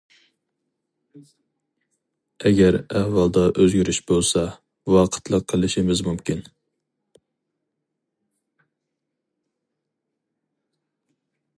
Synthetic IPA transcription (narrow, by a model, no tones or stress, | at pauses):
ɛɡʲæɾæhwɑlˠd̪ɑʔøzɡʲyɾyʃbolˠsɑ | wɑqʰə̥t̪ʰlˠəqʰːəlˠɪʃimɪzmumkʲin